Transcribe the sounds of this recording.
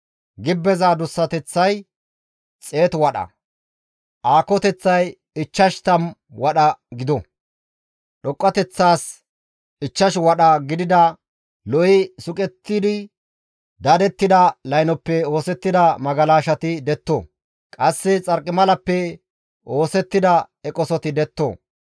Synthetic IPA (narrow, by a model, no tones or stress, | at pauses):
ɡɪbːɛzaːd̪ʊsːɐt̪ɛt͡sːɐj | t͡sʼe̞ːt̪wɐɗɐ̰ | ʔaːkɔt̪ɛt͡sːɐj | ɪt͡ʃːɐʃt̪ɐmwɐɗɐɡɪd̪ɔ | ɗɔkʼːɐt̪ɛt͡sːaːs | ɪt͡ʃːɐʃwɐɗɐɡɪd̪ɪd̪ɐ | lɔʔɪsʊkʼɛt̪ːɪd̪ɪ | d̪ɐd̪ɛt̪ːɪd̪ɐlɐjnɔpːɛo̞ːsɛt̪ːɪd̪ɐmɐɡɐlaːʃɐt̪ɪd̪ɛt̪ːo̰ː | kʼɐsːɛt͡sʼɐɾkʼːɪmɐlɐpːɛ | o̞ːsɛt̪ːɪd̪ɐ | ɛkʼɔsɔt̪ɪd̪ɛt̪ːo̰ː